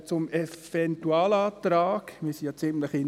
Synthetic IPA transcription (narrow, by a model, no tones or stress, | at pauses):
t͡sʊmev̥ɛntuaːlaːtɾaːkmiːsijɑt͡sɪmləχɪn